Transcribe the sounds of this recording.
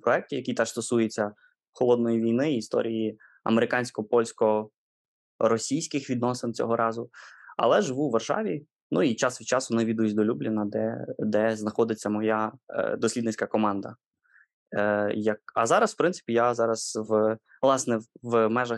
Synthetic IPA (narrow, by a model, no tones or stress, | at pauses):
pɾɔɛk̚tʲijɐkʲit̪ɛʂst̪ɔsujet͡sʲːɐ | xɔlˠɔd̪̚nɔjiʋʲijnɪːst̪ɔ̰ɾʲiji | ɐ̰meɾɪkɑnʲsʲkɔpɔlʲsʲkɔ | ɾɔsʲijsʲkɪxʋʲid̪nɔsɪnt͡sʲɔ̰ɦɔɾʔɑzʊɐ̰lˠɛʒɪʋuʋɐrʃɑ̰ʋʲi | nuit͡ʃɑsʋʲit͡ʃɑsʊnɛʋʲid̪ujs̬ʲd̪ɔlʲublʲɪnɐd̪ɛ̰d̪ɛznɐxɔd̪ɪt͡sʲːɐmɔjad̪ɔsʲlʲid̪nɪt͡sʲkɐkɔmɑnd̪ɐ̰ | jɐk̚ɐ̰zɑɾɐsfpɾɪnsɪ̥pʲijazɑɾɐsʋ | lˠɑsnɛʋmɛʒɐ